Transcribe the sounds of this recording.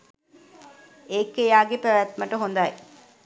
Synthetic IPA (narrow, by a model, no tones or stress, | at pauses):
eːkːejaːɡepæʋæt̪mɐʈəɦond̪aj